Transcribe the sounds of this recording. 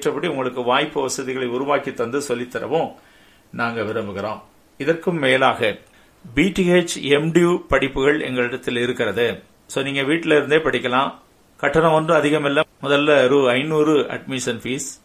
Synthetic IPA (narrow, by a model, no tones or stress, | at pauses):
ʈrɐpːɐɽiʊŋɡɐɭɯkːɯʋaːjpːɯʋɐsɐðɪɣɐɭɐɪʊɾʊʋaːkit̪ːɐnd̪ɯsɔlːɪt̪ːɐɾɐ̰ʋõ | naːŋɡɐʋɪɾɐmbɯɣɪɾõː | ɪðɐrkɯmːeːlaːɣɐ | biːʈieːt͡ʃɛmɖijuːpɐɽɪpːɯɣɐɭɛ̰ŋɡɐɭɪɽɐt̪ːɪlɪɾɯkːɪɾɐðɯ | soːniːŋɡɐʋiːʈːɪlɪɾɯnd̪eːpɐɽɪkʲːɐlãː | kɐʈːɐnɐ̃ɔndrɯ̃ɐðɪɣɐmɛlːɐmʊðɐlːɐɾuːɐɪnuːrɯɐ̰ɖmɪʂɐnfiːs